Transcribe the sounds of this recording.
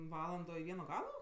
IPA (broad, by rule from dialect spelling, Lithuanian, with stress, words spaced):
ˈʋɑːlˠɐndoː ɪ ˈʋʲiɛnoː ˈɡɑːlˠoː